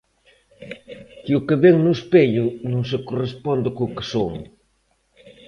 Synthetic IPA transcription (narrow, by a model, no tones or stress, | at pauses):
kiʊkeβeŋnʊspeʎʊnõŋs̬ekorespɔnd̪ɪkokɪ̥soŋ